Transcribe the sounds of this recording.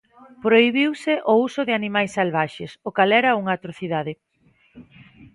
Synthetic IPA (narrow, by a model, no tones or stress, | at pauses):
pɾoiβ̞iwsɪʔousʊðɪanimajsːalβaʃesʊkalɛɾɐuŋɐat̪ɾoθiðaðɪ